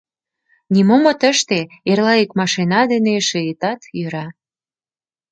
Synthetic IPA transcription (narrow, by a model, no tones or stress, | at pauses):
nimomŏt̪əʃt̪eerlɑekmɑʃinɑd̪eneʃeet̪ɑt̪jøɾɑ